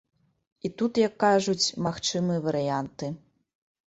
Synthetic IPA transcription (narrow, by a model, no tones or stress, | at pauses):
it̪ut̪jɐkːaʐut͡sʲmaxt͡ʂɨmɨjɐvɐɾɨjant̪ɨ